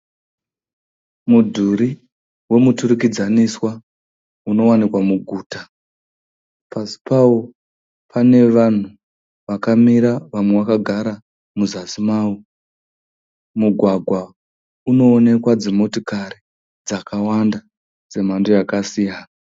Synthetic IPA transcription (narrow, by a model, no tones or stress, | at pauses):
mudʱuɾi | we̞mutuɾukid͡zaniswa | uno̞wanikwamuɡʱuːta | pasi̥pawo | pʰane̞ʋan̤u | ʋakamiɾaʋamwe̞wakaɡʱaɾa | muzasimaːwu | muɡʱwaɡʱwa | uno̞ːne̞kwad͡zemo̞tokaɾi | d͡zakawanda | d͡ze̞m̤andojakasijana